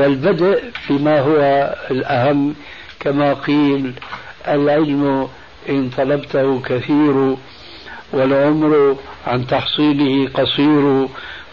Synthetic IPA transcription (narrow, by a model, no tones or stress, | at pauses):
ɪlbad̪aʔbɪmaɦʊwaɪlʔahamː | kamaqiːlʔalʕɪlm | ʔɪnt̪ˤɑlɑbt̪ahʊkaθiːɾ | wɪlʕʊmɾʕant̪ɑħsˤiːlɪhɪqɑsˤiːɾʊ